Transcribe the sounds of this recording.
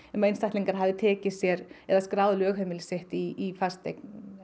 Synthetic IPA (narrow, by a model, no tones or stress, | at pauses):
ɛnmejnst̪ajht̪liŋkaɾ̥ɦaːvðɪt̪ʰɛːcɪsjɛɾɛðaskɾaːwðlʏœːɣɦemɪlsɪht̪iːfast̪ḛjk̚n